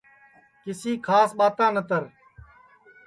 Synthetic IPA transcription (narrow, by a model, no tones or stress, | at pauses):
kɪsiːkʰaːsɓaːt̪ãːnət̪əɾ